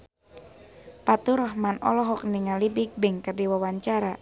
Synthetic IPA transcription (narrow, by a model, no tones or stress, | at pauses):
pat̪uɾɔɦmanɔ̰lɔɦɔk̚niŋalibik̚bɛŋkərdiwawaɲt͡ʃaɾa